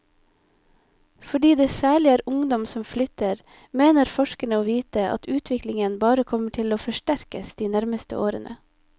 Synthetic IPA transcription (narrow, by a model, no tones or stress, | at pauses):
fɔɖiːd̪eːsæːɭɪæːɾʊŋd̪ɔmsɔmflʏt̪əɾ | meːnəɾfɔʃkəɳəoːʋiːt̪əʔɑ̰t̪ʰʉːt̪ʰʋɪklɪŋənbɑːɾəkʰɔməʈʰɪloːfɔʃʈæɾkəsd̪̥iːnæɾməst̪ə̰ʔo̰ːɾə̰nʔə̰